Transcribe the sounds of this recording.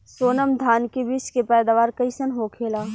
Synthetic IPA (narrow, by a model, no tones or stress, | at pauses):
soːnəmd̪ʱaːnkebiːskepɛːd̪aːʋaːɾkɐisənɦoːkʰeːlaː